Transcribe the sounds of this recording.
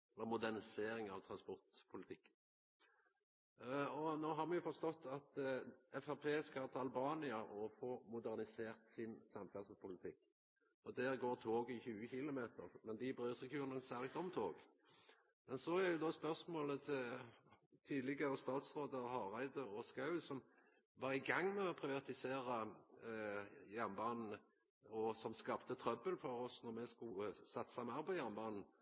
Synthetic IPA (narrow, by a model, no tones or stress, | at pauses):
ɛlːəmʊd̪æʁnɪseːɾɪŋɑʋt̪ʰɾɑnspɔʁt̪pʰʊlɪt̪ʰɪkː | ɔnoːɦɑɾmɛjʊfɔst̪ɔt̪ːɑt̪ɛfæpʰeːskɑlt̪ʰɑlbɑːnɪɑʔɔfɔːmʊd̪æʁnɪseːɾt̪sɪnsɑmfɛsəspʰʊlɪt̪ʰɪkː | ɔd̪æːʁɡoːɾt̪ʰoːɡɪçʉːəçɪlʊmeːt̪ə̰ɾmɛnd̪ɪbɾøːsɛkʰʉːɾnənsæɾɡt̪ɔmt̪ʰoːɡ | mɛnsɔæɾjʊd̪ɔspœʁsmoːlət̪ʰɪl | t̪ʰiːd̪lɪɡəɾəst̪ɑːt̪sɾoːd̪əʁhɑːʁæɪd̪əɔskɑʉsɔm | ʋɑːʁɪɡɑŋːmɛɔpʰɾɪʋɑt̪ɪseːɾə | jæʁnbɑːnn̩ | ɔsɔmskɑːpt̪ət̪ʰɾœbəlfɔɾɔsnɔɾmɛskʊsɑt̪ːsɑmɑʁpɔjæʁnbɑːnn̩